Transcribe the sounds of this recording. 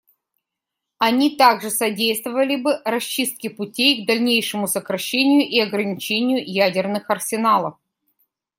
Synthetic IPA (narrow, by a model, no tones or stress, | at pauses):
ɐnʲit̪aɡʐɨsɐdʲejst̪vəvəlʲɪbɨɾɐɕt͡ɕːist̪̚kʲɪpʊtʲejɡd̪ɐlʲnʲejʂɨmʊsəkɾɐɕːenʲɪjʊʔiɐɡɾənʲɪt͡ɕenʲɪjʊjædʲɪrnɨxɐrsʲɪnalˠəf